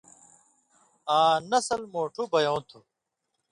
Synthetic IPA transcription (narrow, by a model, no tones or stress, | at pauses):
aːnɐsɐlmoːʈʰubɐjõːt̪ʰu